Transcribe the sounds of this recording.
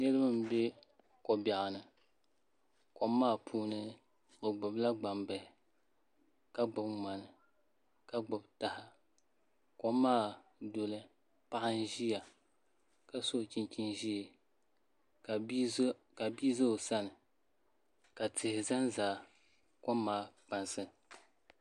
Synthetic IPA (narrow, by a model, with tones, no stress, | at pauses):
nɨ˦lɨ˦mɨ˦m̩˦be˦ | kɔ˨ba˨ʔa˨nɨ˨ | kɔ˨mː˦aː˦˨pʰuː˦nɨ˦ | o˨ɡ͡bʊ˨bla˦ɡ͡ba˨mbɛ˨hɪ˨ | ka˨ɡ͡bʊ˨bma˨nɨ˨ | ka˨ɡ͡bʊ˨bta˨hɪ˨ | kɔ˨˦mːaː˦˨do˨lɨ˦ | pa˦ʔɪ˦n̩˦ʒi˦ja˨ | ka˦so˦˨t͡ʃi˦nt͡ʃi˦nʒi˦˨˦ | ka˨bi˦zo˦o˨sa˦nɨ˨ | ka˨tʰɪ˨hɪ˨za˦nzaː˨˦ | kɔ˦mːaː˦k͡pa˨nsɨ˦